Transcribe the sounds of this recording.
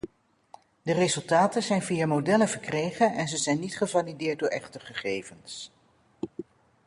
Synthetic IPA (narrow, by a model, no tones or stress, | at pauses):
dərezɵlˠtaːtənzɛjnvijamodɛlənvəɹkrejχənʔɛnzəzɛjnːitχəvalidɪːɹt̚dʊːɹɛχtəχəχejvəns